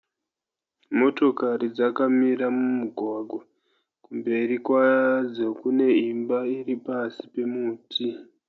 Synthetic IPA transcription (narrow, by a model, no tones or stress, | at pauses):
mo̞to̞karid͡zakamiɾamumuɡʱwaɡʱwa | kumbe̞rikwad͡zo̞kune̞imbairipasi̥pe̞muːtʰi